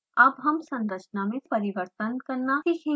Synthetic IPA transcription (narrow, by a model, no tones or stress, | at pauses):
ɐbɦɐmsɐ̃nɾət͡ʃnamẽpəɾiʋəɾt̪ənkɐɾnaikʰĩ